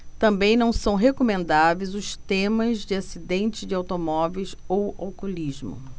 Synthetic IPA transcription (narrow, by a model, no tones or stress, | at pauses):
t̪ɐ̃mbẽj̃nɐ̃w̃sɐ̃w̃ɦekomẽnd̪avejzʊst̪ẽmɐzd͡ʒɪasid̪ẽnt͡ʃɪzd͡ʒɪawt̪omɔvejsowa̰wkulizmʊ̰